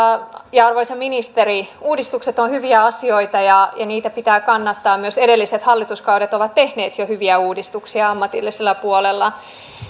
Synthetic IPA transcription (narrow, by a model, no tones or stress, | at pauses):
jɑɑrʋoisemːinist̪eɾiuːdist̪ukset̪onhyʋiæɑsio̞it̪ɑjɑjɑniːt̪æpit̪æːkɑnːɑt̪ːɑːmmyøsedelːiset̪hɑlːit̪uskɑuɾet̪oʋɑt̪t̪e̞hneːt̪johyʋiæuːdist̪uksiɑɑmːɑt̪ḭlːiselːæpuolelːɑ